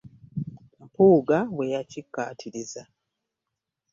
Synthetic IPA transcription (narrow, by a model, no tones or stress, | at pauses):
upuːɡaβwe̞jacikːa̰ːtʰiɾiza